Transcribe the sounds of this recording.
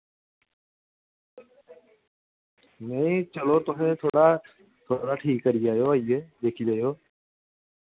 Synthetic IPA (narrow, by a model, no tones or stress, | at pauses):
nɛ̃ẽt͡ʃəloːt̪ʊɦẽːt̪ʰoːɽa | t̪ʰoːɽaːʈʰiːkːəɾid͡ʒaːjoːaieːd̪eːkʰid͡ʒaːjoː